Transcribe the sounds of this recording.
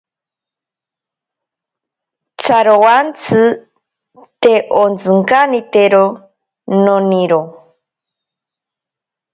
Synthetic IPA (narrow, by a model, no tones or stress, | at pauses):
t͡sʰaɾowant͡sʰɨ | t̪eʔont͡sɨŋkanit̪eɾo | noniɾo